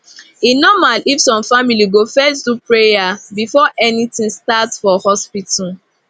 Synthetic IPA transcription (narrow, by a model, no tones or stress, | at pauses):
inɔmalifsɔ̃mfamiliɡofɛs̬dupɹejabifɔʔɛnitĩŋstatsfɔhɔspitʰal